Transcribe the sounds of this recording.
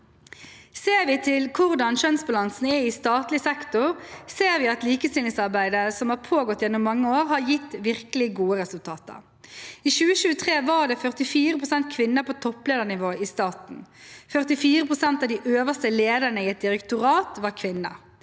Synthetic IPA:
seːɾʋɪt̪ʰɪlkʰʊʁd̪ɑnʃœnsbɑlɑnsn̩ɛɪst̪ɑːt̪lɪsɛkt̪ʊɾseːɾʋɪɑt̪liːkəst̪ɪːlɪŋsɑɾbæɪd̪əsɔmhɑɾpʰoːɡɔt̪ːjɛnʊmːɑŋːəoːʁhɑɾjɪt̪ːʋɪʁkəlɪɡuːəʁɛsʉlt̪ʰɑːt̪ə̰ɾ | iːʃʉːəʃʉːət̪ʰʁeːʋɑɖ̪ɛːfœʁt̪ɪfiːɾəpʁʊsɛnt̪̚kʰʋɪnːəpʰoːt̪ʰɔpleːd̪ənɪʋoːɪst̪ɑːt̪n̩fœʁt̪ɪfiːɾəpʰʁʊsɛnt̪ɑʋd̪iːʔøːʋəst̪əleːd̪əʁnəɪːɛt̪̚d̪ɪɾɛkt̪ʊɾɑːt̪ʋɑɾkʰʋɪnːə̰

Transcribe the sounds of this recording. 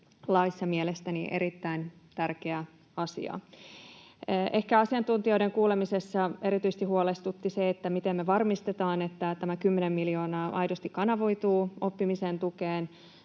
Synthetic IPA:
lɑisːɑmielest̪æniʔḛɾit̪ːæint̪ærkeæ | ɑsḭɑ̰ | ʔe̞hkæɑsiɑnt̪unt̪io̞iɾeŋkuːlemise̞sːɑe̞ɾit̪yise̥t̪ihuolest̪ut̪ːiseet̪ːæmit̪emːeʋɑrmist̪et̪ɑːnet̪ːæt̪æmækymːenemːilio̞ːnɑːʔɑjdost̪ikkɑnɑʋoit̪uːopːimisent̪ukeːn

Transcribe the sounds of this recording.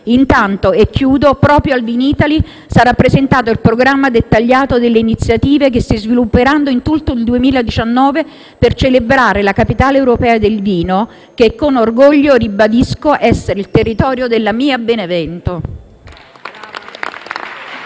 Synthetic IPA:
int̪ant̪oekːjuːd̪opɾɔːpɾjoalviniːt̪ali | saɾapːɾezent̪aːt̪oilpɾoɡɾamːad̪et̪ːaʎːaːt̪od̪elːeinit̪sːjat̪iːvek̬est̪izvilupːeɾand̪oint̪ult̪oild̪uemiːlad̪it͡ʃanːɔːve | pert͡ʃelebɾaːɾelakapit̪aːleɛwɾopɛːad̪elviːno | kekːonorɡoʎːoribad̪iskoʔɛsːeɾeilt̪erːit̪ɔːɾjod̪elːamiːabenevɛnt̪o

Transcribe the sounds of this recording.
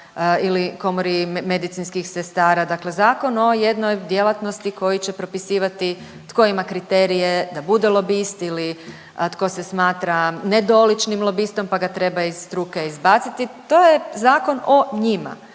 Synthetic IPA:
iliko̞moɾimed̪it̪sinskixsest̪aːɾad̪akle̞zaːko̞no̞je̞d̪no̞jd̪je̞lˠat̪no̞st̪iko̞jit͡ɕe̞pɾo̞pisiːʋat̪i | t̪ko̞imakɾit̪eːɾije̞d̪abud̪elˠo̞biːst̪ili | t̪ko̞se̞smaːt̪ɾaned̪o̞lit͡ʃnimlˠo̞biːst̪o̞mpaɡat̪ɾe̞baizst̪ɾukeizbaːt̪sit̪it̪o̞ːjezaːko̞no̞ɲima̰

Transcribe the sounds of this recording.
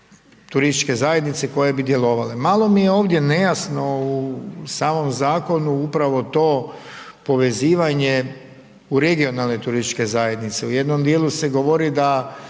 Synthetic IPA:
t̪uɾist̪it͡ʃke̞zaje̞d̪nit̪se̞ko̞jebid̪je̞lo̞ʋalemaːlˠo̞mije̞o̞ːʋd̪je̞ne̞jasno̞usaːmo̞mzaːko̞nuupɾaʋo̞t̪o̞ː | po̞ʋe̞ziːʋaɲe̞ | uɾe̞ɡio̞nalˠne̞t̪uɾist̪it͡ʃke̞zaje̞d̪nit̪seuje̞d̪nomd̪jeːlˠuse̞ɡo̞ʋo̞ɾid̪a

